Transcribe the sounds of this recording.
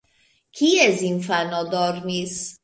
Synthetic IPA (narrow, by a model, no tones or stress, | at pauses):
kʰiːæzinfænɒːd̪ɒːɾniːs